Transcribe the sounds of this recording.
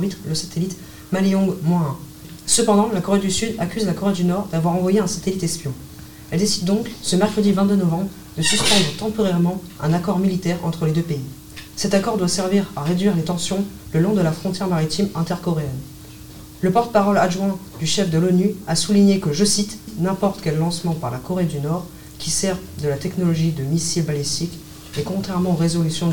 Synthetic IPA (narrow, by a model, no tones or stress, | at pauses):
bit̪χləsat̪elit̪ | maliɔ̃ɡmwãɛ̃ | səpɑ̃d̪ɑ̃lakɔʁed̪ysyd̪akʲyzlakɔʁed̪ynɔʁd̪avwaʁɑ̃vwajeɛ̃sat̪elit̪ɛspjɔ̃ | ɛld̪esid̪ːɔ̃ksəmɛʁkχəd̪ivɛ̃t̪d̪ønɔvɑ̃bʁ | d̪əsyspɑ̃d̪ʁət̪ɑ̃pɔʁɛʁmɑ̃ɛ̰̃nakɔʁmilit̪ɛʁɑ̰̃t̪χəled̪øpei | sɛt̪akɔʁd̪wasɛʁviʁaʁed̪ɥiʁlet̪ɑ̃sjɔ̃ləlɔ̃d̪əlafχɔ̃t̪jɛʁmaʁit̪imɛ̃t̪ɛʁkɔʁeɛn | ləpɔʁt̪əpaʁɔladʒwɛ̃d̪yʃɛfd̪əlɔnyasuliɲekəʒəsit̪nɛ̃pɔʁt̪kʲɛlːɑ̃smɑ̃paʁlakɔʁed̪ynɔʁ | kʲisɛʁd̪əlat̪ɛknɔlɔʒid̪əmisilbalist̪ik | ekɔ̃t̪χɛʁmɑ̃oʁezɔlysjɔ̃